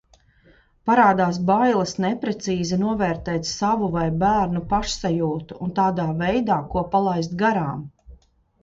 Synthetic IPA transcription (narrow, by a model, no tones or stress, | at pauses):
paɾaːd̪aːsbajlˠɐsnɛpɾɛt̪siːzinuɔvɛːɾt̪ɛːt̪savuvajbæːɾnupaʃsajuːt̪uunt̪aːd̪aːvɛjd̪aːkuɔpalˠajs̬t̪ɡaɾaːm